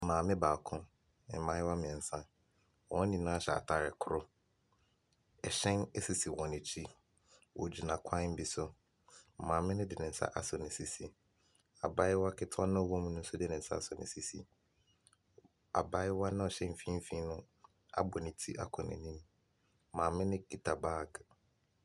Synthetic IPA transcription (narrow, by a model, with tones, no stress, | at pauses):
mãː˨mɪ̃˦baː˨kʰʊ̃˦ | ɪ˨mã˦ɪ˦wa˦mɪ̃˨ɛ˨n̩˨sã˦ | wɔ̃˨˦nĩ˨nã˦ɕɛ̰˨a̰˨tʰa˦˨ɾɪ˨kʰʊ˦ɾʊ˦ | ɛ˨ɕɛ̃˦nɛ˦si˨si˨wɔ̃˨nɪ̃˨t͡ɕʰi˦ | wɔ̰˨d͡ʑi˨nã˨kʰã˦m̩˦bi˨sʊ˦˨ | mãː˨mɪ̃˦nʊ̃˦dɪ˨nɪ̃˨n̩˨˦sa̰˦ʔa˨sɔ˨nɪ̃˨si˦si˨ | a̰˨ba˦ɪ˦wa˦kʰɪ˦tʰʊ˦a˦nã˦ɔ˨wɔ̃˦mũ˦nʊ̃˦n̩˦sʊ˦dɪ˦nɪ̃˨n̩˨sa̰˦a˨sɔ˨nɪ̃˨si˦sḭ˨ | a̰˨ba˦ɪ˦wa˦nã˦ɔ˨ɕɛ̃˦m̩˦fĩ˦m̩˦fĩ˦nʊ̃˦ | a̰˦˨bɔ˨nɪ̃˨tʰi˦ʔa̰˦kʰʊ̃˨nɪ̰̃˨nĩ˦m | mãː˨mɪ̃˦nɪ̃˦ki˦tʰa˨baː˦˨ɡ